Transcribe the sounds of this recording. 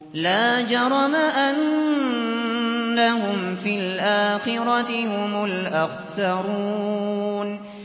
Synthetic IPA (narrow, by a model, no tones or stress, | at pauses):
laːd͡ʒɑɾˤɑmaʔan | ahʊmfilʔaːxɪɾˤɑt̪ɪhʊmʊlʔaqsɑɾuːn